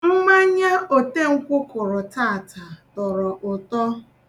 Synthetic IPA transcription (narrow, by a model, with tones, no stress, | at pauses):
m̩˦ma˦ɲa˦o˨te˦ŋ̩˦kʷʊ˦kʊ˨ɾʊ˨ta˦˨ta˨tɔ˨ɾɔ˨ʔʊ˨tɔ˦